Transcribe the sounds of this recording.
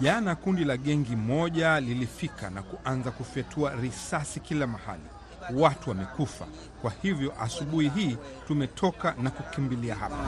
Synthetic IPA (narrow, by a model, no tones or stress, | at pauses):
ʄanakundilaɠɛŋɡimɔʄalilifikanakuʔanzakufiatʰuaɾisasikilamaha̰lḭ | watuwamɛkufa̰ | kwahivjɔʔasuɓuhiɦiː | tumɛtʰɔkanakukimbiliaɦa̰pa